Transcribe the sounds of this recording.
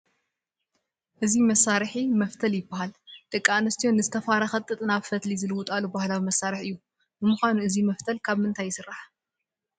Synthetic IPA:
ʔɨzimɐsːaɾħimɐft̪ʰɐljɪbːahald̪̥ɐkʼːaanɐst̪ʰijonɨzɨt̪ʰɐfaɾaxɐt̪ʼːɨt̪ʼɨnaβfɐt̪lizɨlɨwʊt̪ʼalubahlawimɐsaɾɨħɨjːu | bɨmuxʷanuɨzimɐft̪ʰɐlkʰaβmɨnt̪ʰajːɪsɨrːaħ

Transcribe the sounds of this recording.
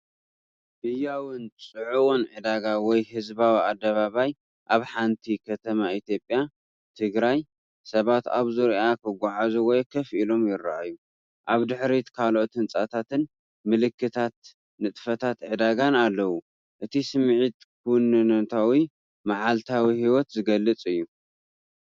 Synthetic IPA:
ʔɨjawɨnt͡sʼɨʕuwonʕɨd̪aɡawɔjhɨzbawiad̪ːɐβaβaj | ʔaβħant̪ʰikʰɐt̪ʰɐmait̪ʰjo̞pʼːja | t̪ʰɨɡɾaj | sɐβat̪a̰βzɨɾʔakʰɨɡʷaʕazuwɔjkʰɐfʔilo̞mjɪra̰ʔaju | ʔaβd̪ɨħɾit̪kʰalʔot̪hɨnt͡sʼat̪ʰat̪ɨn | mɨlɨkʰːɨt̪ʰat̪̚ | nɨt̪ʼfɐt̪ʰat̪ʕɨd̪aɡanalːɐwu | ʔɨt̪ʰisɨmʕit̪ | kʰuwʊnːɨnɐt̪ʰawi | maʕalt̪ʰawihiwɔt̪zɨɡɐlːɨt͡sʼɨjːu

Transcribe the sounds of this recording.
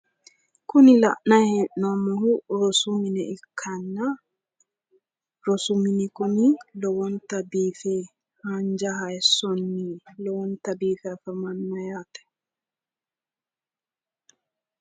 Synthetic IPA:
kʊnɪlɐ̰ʔnɐhɛʔnɔmɔhuɾɔsumɪnɛɪkʰːɐnːa | ɾɔsumɪnikɔmilɔwɔnt̪ɐbiːfɛ | haɲd͡ʒɐɦɐjɛsɔnːilɔwɔnt̪ɐbiːfɛfɐmɐnːɐjat̪ɛ̥

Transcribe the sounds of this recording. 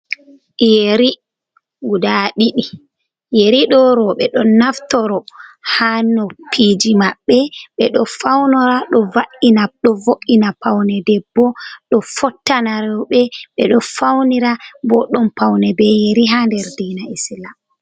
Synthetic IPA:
jeɾi | ɡudaɗiɗi | jeɾiɗɔɾɔɓɛɗɔnːaftɔɾɔhanɔpʰid͡ʒimaɓːɛɓɛɗɔfawnɔɾaɗɔvaʔinaɗɔvoʔinapawnɛdɛbːɔɗɔfɔtːanaɾɔɓɛɓɛɗɔfawniɾabɔɗɔmpawnɛbɛjeɾiɦandɛɾdiːnaisila

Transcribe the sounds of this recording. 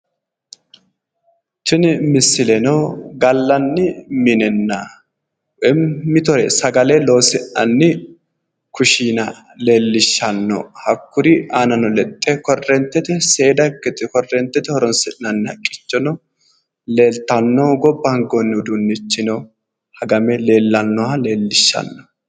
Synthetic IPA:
t͡ʃɪnmɪsːɪlɛnoɡɐlːɐnːɪmɪnɛnːa | ʔɛmːɪt̪ɔɾɛ̰sɐɡɐlɛlo̞ːsɪʔɐ̰nːɪ | kʊʃiːnɐ | le̞ːlːɪʃːɐnːɔ̰hɐkːʊɾɪʔaːnɐnɔlɛt̪ʼːɛkɔrːɛnt̪ːɛt̪ɛse̞ːd̪ɐkːɛt̪ɪkɔrːɛnt̪ːɛt̪ɛhɔɾɔnsɛᶑnɐnːɪhɐ̰kʼːɪt͡ʃːɔnɔ | le̞ːlt̪ɐnːoːɡɔbːɐŋɡonːɪʊd̪unːɪt͡ʃːɪnɔ | hɐɡɐmɛle̞ːlːɐnːɔale̞ːlːɪʃːɐ̰nːɔ̥

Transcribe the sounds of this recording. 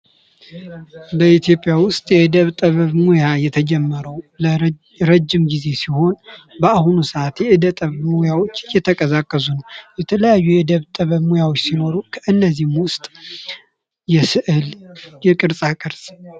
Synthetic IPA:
bəit̪ʰjo̞pʼjawʊst̪ʼjɛʔɨd̪əβt̪ʼəβəβmojajɛt̪ʰəd͡ʒɛmːəɾəwlə | ɾəd͡ʒːɪmɡize̞siho̞n | bəahunusəat̪jɛʔɨd̪ət̪ʼəβmojawo̞t͡ʃːjɛt̪ʰəkʼəzakʼːəs̬unəwjɛt̪ʰələjajːujɛɨd̪əβt̪ʼəβəβmojawot͡ʃːsino̞ɾukʰəʔɨnːəzːihmwʊst̪ʼ | jɛsɨʔɨljɛkʼɨɾsʼakʼɨɾsʼ

